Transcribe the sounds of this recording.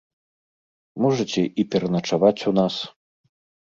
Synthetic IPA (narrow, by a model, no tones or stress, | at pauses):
mɔʐɐt͡sʲɛʔipʲɛɾɐnɐt͡ʂavat͡sʲunas